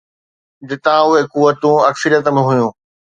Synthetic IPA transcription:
d͡ʑɪt̪ãʊɦekuʋːət̪ũɐksəɾjət̪əmɪ̃ɦʊjũː

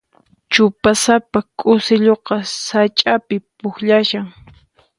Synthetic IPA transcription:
t͡ʃʊpasapakʼʊsɪʎoqɑsat͡ʃʼapɪpʊxʎaʃaŋ

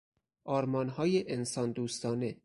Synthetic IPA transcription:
ʔɒːɾmɒːnɦɒːjeʔensɒːnd̪uːst̪ɒːne

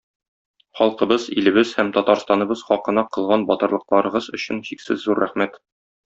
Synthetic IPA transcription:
χɒlˠqɤ̆bɤzilɘ̆bɘzhæmt̪ɒt̪ɑɾst̪ɑnɤ̆bɤzχɒqɤ̆nɑqɤ̆lˠʁɑnbɒt̪ɤ̆ɾlˠɤ̆q̚lˠɑɾɤ̆ʁɤzɵ̆ɕɘnʑiksɘzːuɾːæχmæt̪

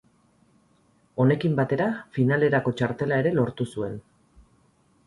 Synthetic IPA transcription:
o̞ne̞kimbat̪e̞ɾafinale̞ɾako̞t͡ʃaɾt̪e̞lae̞ɾe̞lo̞ɾt̪usue̞n

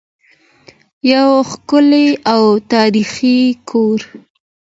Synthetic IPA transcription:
jawxkʊleawt̪ɑɾixikʰoɾ

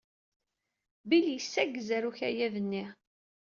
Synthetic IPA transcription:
biljəsːæɡzæɾuçæjæðənːiʁ

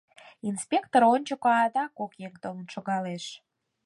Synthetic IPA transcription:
inspʲekt̪oɾonʲt͡ɕokoɑd̪ɑkokjekd̪olənʃoɣɑleʃ

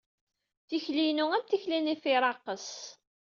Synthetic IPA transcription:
θiçlijnuæmt̪içlinifiɾˤɑqːəs

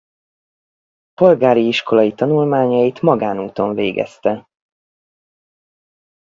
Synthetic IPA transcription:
po̞lɡaːɾiiʃko̞lɒjit̪ɒnulmaːɲɒjit̪mɒɡaːnuːt̪o̞ɱveːɡɛ̰st̪ɛ

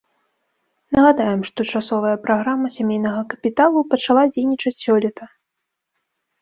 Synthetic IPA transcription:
nɐɣad̪ajɛmʂt̪ɔt͡ʂasɔvɐjɐpɾaɣɾamɐsʲamʲejnɐɣɐkɐpʲit̪alˠupɐt͡ʂalˠad͡zʲejnʲit͡ʂɐt͡sʲsʲɔlʲɛt̪ɐ

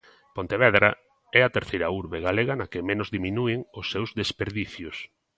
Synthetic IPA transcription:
pont̪eβɛðɾa | ɛɐt̪eɾθejɾɐuɾβeɣaleɣɐnɐkɪmenʊzðiminuɪŋʊsːewzðespeɾðiθjʊs

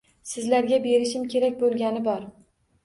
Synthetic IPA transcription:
sɪzlaɾɡʲabe̞ɾɪʃɪmkʲʰe̞ɾak̚ʲbolˠɡʲanɪbɒɾ

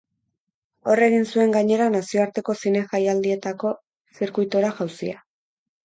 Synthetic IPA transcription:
o̞re̞ɣ̞insue̞ŋɡaɲe̞ɾanasio̞aɾt̪e̞ko̞sine̞xajald̪ie̞t̪ako̞ | siɾkujt̪oɾaʝawsia

